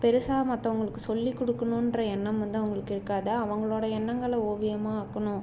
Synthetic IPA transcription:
pɛɾɯsaːmɐt̪ːɐʋɐŋɡɐɭɯkːɯsɔlːikːɔɽɯkːɐnʊ̃ɪndrɐɛnːɐmʋɐnd̪ɯɐʋɐŋɡɐɭɯkːɪɾɯkːaːðɐːʋɐŋɡɐɭoːɽɐɛɳːɐŋɡɐɭɐoːʋɪjɐmaːaːkːɐɳʊ̃

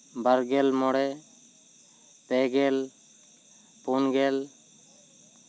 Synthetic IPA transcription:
baɾɡɛlmɔɽɛ | pɛɡɛl | punɡɛl

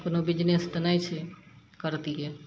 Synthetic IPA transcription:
konobid͡ʒnest̪ənajt͡ʃʰɛ | kəɾt̪iɦe

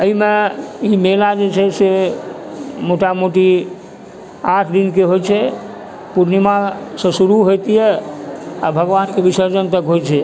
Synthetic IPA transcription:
əɦimẽimelad͡ʒet͡ʃʰɛse | moʈamoʈi | aʈʰd̪inkeɦot͡ʃʰɛ | puɾnimasə̃suɾuɦojt̪ijɛ | a̰bʱəɡʋankebisəɾd͡ʒənt̪əkɦot͡ʃʰɛ

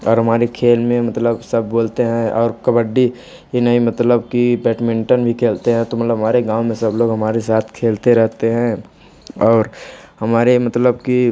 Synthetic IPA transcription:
ɔːɾɦɐmaːɾekʰeːlmẽmɐt̪ləbsɐb̚ʱːoːlt̪eɦɛ̃ɔːɾkɐbəɖːi | jenəimɐt̪ləbkibɛːʈmɪ̃ɳʈənbʱikʰeːlt̪eɦɛ̃t̪omɐt̪ləbʱɦɐmaːɾeɡãːwmẽsɐbloːɡɦɐmaːɾesaːt̪ʰkʰeːlt̪eɾɛɦt̪eɦɛ̃ | ɔːɾhɐmaːɾemɐt̪ləb̚ki

